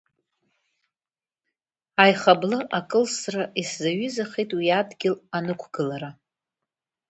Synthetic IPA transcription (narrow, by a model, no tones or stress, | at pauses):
ajχablɨʔakʼɨlsraʔiszaɥizaχejtʼwiadɡʲɪlanɨkʷʰɡɨlaɾa